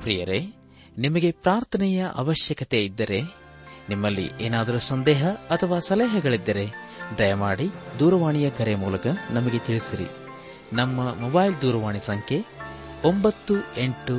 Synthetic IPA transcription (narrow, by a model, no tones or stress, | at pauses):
pɾḭjɐɾe | nimɐɡe̞pɾaːɾt̪ʰɐnɛjɐʔɐ̰ʋɐʃjɐkɐt̪e̞id̪ːɐɾe̞ | nimːɐlːḭʔeːnaːd̪ɐɾusɐnd̪ɛːɦɐɐt̪ʰɐʋaːsɐlɛːɦɐɡɐɭid̪ːɐɾe̞d̪ɐjɐmaːɽid̪uːɾɐʋaːɳijɐkʰɐɾemuːlɐkɐnɐmɐɡe̞t̪iɭisiɾḭ | nɐmːɐmobɐːjld̪uːɾɐʋaːɳisɐŋkʰe̞ombɐt̪ːue̞ɳʈu